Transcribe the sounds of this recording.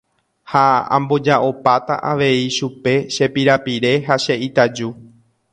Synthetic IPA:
haã̰mbo̞d͡ʒaʔo̞pat̪a̰ʔaʋe̞iʃupe̞ʃe̞piɾapiɾe̞ɦaʃe̞ʔit̪ad͡ʒu

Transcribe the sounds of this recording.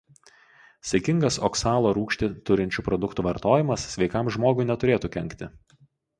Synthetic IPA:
sʲɐkʲɪŋɡɐsɔ̰ksɑːlˠoːɾuːkʃʲt̪ʲɪt̪ʊɾʲɪnʲt͡ʃʲupɾɔd̪ʊkt̪uːʋɐɾt̪oːjɪmɐsːʲʋʲɛɪkɐmʒmoːɡʊɪnʲɛt̪ʊɾʲeːt̪uːkʲɛŋʲkt̪ʲɪ

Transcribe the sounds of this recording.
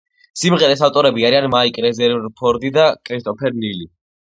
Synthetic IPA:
simʁɛɾɛsaft̪ʼɔɾɛbiaɾianmaikʼɾɛzɛɾvɾpʰɔɾd̪id̪akʼɾist̪ʼɔpʰɛɾnili

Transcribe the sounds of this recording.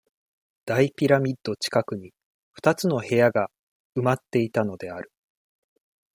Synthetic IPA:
d̪̥aipʲiɾamʲid̪̥ːo̞t͡ɕi̥kakɯ̟ɲ̟i | ɸɯ̟̥t̪at͡sɨno̞he̞jaɡa | ɯ̟mat̪ːe̞it̪ano̞d̪e̞aɾɯ̟̥

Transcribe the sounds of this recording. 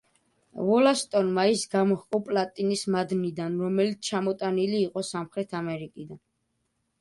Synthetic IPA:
vɔlast̪ʼɔnmaisɡamɔhqʼɔpʼlat̪ʼinismad̪nid̪anɾɔmɛlit̪sʰt͡ʃʰamɔt̪ʼaniliːqʼɔsamχɾɛt̪ʰamɛɾikʼid̪an

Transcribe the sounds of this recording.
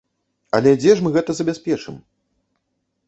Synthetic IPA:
ɐ̰lʲɛd͡zʲɛʂmɨɣɛt̪ɐzɐbʲaspʲɛt͡ʂɨ̰m

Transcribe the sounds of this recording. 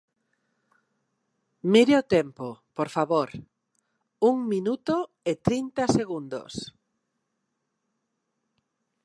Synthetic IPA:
miɾɪot̪ɛmpopoɾfaβoɾ | uŋminut̪o | et̪ɾint̪aseɣund̪o̰s

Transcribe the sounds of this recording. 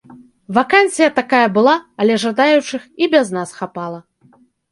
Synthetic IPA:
vakanʲsʲɨjɐt̪akajɐbɨlˠaːlʲɛʐad̪ajut͡ʂɨxibʲɛznasxapalˠɐ

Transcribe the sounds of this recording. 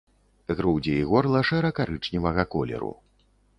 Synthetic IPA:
ɣɾuwd͡zʲɛiɣɔrlˠɐʂɛɾɐkaɾɨt͡ʂnʲivɐɣɐkɔlʲɛ̰ɾṵ

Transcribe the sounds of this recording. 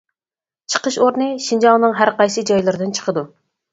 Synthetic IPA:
t͡ʃʰə̥qəʃoɾnɨʃind͡ʒɑŋˠnɨŋɦæɾqɑjsɨd͡ʒɑjlˠɨɾɪd̪ɪnt͡ʃʰə̥qʰəd̪u

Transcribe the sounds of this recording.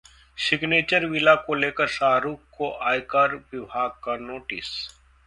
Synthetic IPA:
ʃɪkneːt͡ʃəɾʋɪlakoleːkəɾsaːɾuːkkoʔaːjkaːɾʋɪbʱaːɡ̚kanoːʈɪs

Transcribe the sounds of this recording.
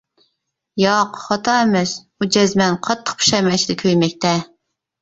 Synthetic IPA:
jɑqχɑt̪ʰɑɛmɛs | ud͡ʒɛzmɛnqʰɑt̪ʰːə̥q̚pʰu̥ʃɑjmɛt͡ʃʰiɪd̪ɪkʲʰøjmɛk̚ʲt̪ɛ

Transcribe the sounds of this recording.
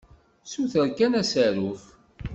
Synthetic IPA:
suθəɾkænæsəɾuf

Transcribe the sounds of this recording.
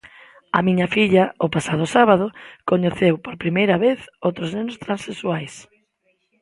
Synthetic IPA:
ɐ̰mĩɲɐfiʎɐʊpasað̞ʊsaβaðʊkoɲeθewpoɾpɾimejɾɐβeθowt̪ɾʊznenʊst̪ɾãnseswajs

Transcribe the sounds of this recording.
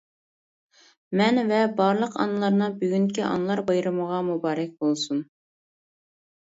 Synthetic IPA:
mɛnvɛbɑɾlˠəqɑ̰nɨlˠɑɾnɨbyɡʲyŋkʲiʔɑ̰nɨlˠɑɾbɑjɾɨməʁɑmubɑːɾɛk̚ʲb̥olˠsun

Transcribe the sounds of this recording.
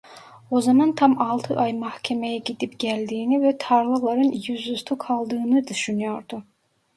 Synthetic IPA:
ozamant̪ʰamɑlˠt̪ʰɯʔajmahcʰeme̞jɛɟid̪ipɟ̥ælʲd̪iːnivɛt̪ʰaɾlˠɯlˠaɾɯnjyzust̪ʰukʰalˠd̪ɯːnɯd̪yʃynyjo̞ɾd̪u

